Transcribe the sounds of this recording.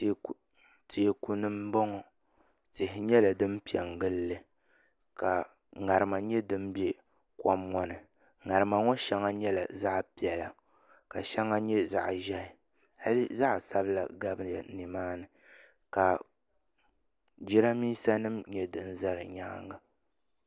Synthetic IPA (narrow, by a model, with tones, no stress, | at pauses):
tʰe˨ku˨nɨ˦mbɔ˦ŋɔ˨ | tɪ˨hɪ˨ɲɛ˦la˨dɨ˦m˦pi˨ɛ˨ŋɡɨ˦lːɨ˦ | ka˨ | ŋa˨ɾɨ˨ma˨ɲɛ˦dɨ˦m˦bɛ˦ | kɔ˦mːɔ˦nɨ˨ | ŋa˨ɾɨ˨ma˨ŋɔ˦ʃɛ˦ŋa˦ɲɛ˦la̰˨za˦ʔpi˨ɛ˨la˨ | ka˨ʃɛ˦ŋa˦ɲɛ˦za̰˨ʔʒɛ˦˨ | ha˦lɨ˦za˦ʔsa˦bɨ˦la̰˨ɡa˦bɨ˦ja˨ni˨maː˦nɨ˨ | ka˨ | d͡ʒi˦ɾa˦miː˦sa˦nɨ˦mɲɛ˦dɨ˨n̩˦za˦ɾɨ˨ɲaː˦ŋa˨